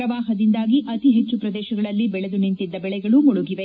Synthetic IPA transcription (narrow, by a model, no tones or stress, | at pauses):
ɾɐʋaːɦɐd̪ind̪aːɡiʔɐt̪iɦet͡ʃːupɾɐd̪ɛːʃɐɡɐɭɐlːibɛɭɛd̪unint̪id̪ːɐbɛɭɛɡɐɭumuɭuɡiʋe